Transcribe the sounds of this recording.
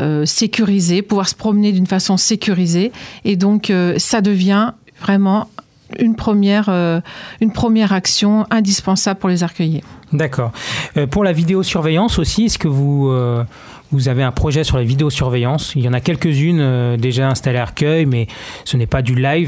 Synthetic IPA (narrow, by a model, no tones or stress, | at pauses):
øsekʲyʁizepuvwaʁsə̥pχɔmned̪ynfasɔ̃sekʲyʁizeed̪ɔ̃køsad̪əvjɛ̃ | vʁɛmɑ̃ | ynpχəmjɛʁøynpχəmjɛʁaksjɔ̃ɛ̃d̪ispɑ̃sabləpuʁlezaʁkʲœjed̪akɔːʁøpuʁlavid̪eosyʁvɛjɑ̃sosiɛskəvuø | vuzaveɛ̃pχɔʒɛsyʁlavid̪eosyʁvɛjɑ̃siljɑ̃nakʲɛlkəzynød̪eʒaɛ̃st̪aleaʁkʲœjmɛsənɛpad̪ylajv